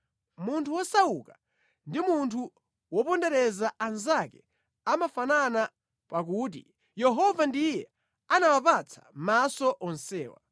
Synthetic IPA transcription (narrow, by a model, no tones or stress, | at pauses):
muntʰuwɔsauka | ndimuntʰu | wɔpɔndɛɾɛzaanzakɛ | amafanana | pakut̬ḭ | jɛɦɔvandijɛ | anawapat͡sʰḁmasɔʔɔnsɛ̰ːwa̰